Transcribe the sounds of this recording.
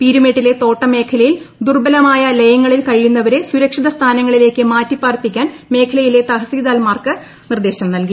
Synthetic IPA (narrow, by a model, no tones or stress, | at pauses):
piːɾumeːʈːile̞t̪o̞ːʈːɐme̞ːkʰɐlɐjil | d̪urbɐlɐmaːjɐlɐjɐŋːɐɭilkɐɻijunːɐʋɐɾe̞suɾɐkʂiðɐst̪ʰaːnɐŋːɐɭile̞ːkːɨmaːtːipːaːrpːikʲːaːnme̞ːkʰɐlɐjile̞t̪ɐɦɐsiiðaːlmaːrkɨ | nird̪eːɕɐmnɐlki